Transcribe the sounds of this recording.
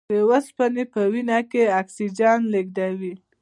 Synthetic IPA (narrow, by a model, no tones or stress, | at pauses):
ewaspanepəwinɑkeaksid͡ʒɑnleɡ̚d̪awi